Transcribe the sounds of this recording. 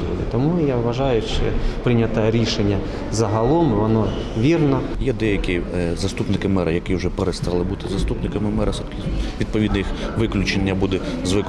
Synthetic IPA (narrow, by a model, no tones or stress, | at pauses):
ḭd̪ɪ̰t̪ɔmujaʋʋɐʒɑjʊʃt͡ʃɛpɾɪnʲɐt̪ɐɾʲiʃenʲːɐ | zɐɦɐlˠɔmɪʋɔnɔʋʲirnɐ | jɛd̪ɛjɐkʲizɐst̪upnɪkɪmɛɾʔɐjɐkiwʒɛpeɾest̪ɑlˠɪbut̪ɪzɐst̪upnɪkɐmɪmɛɾɐs | ʋʲid̪̚pɔʋʲid̪nɐixʋɪklʲʊt͡ʃenʲːɐbud̪ɛzʋɪk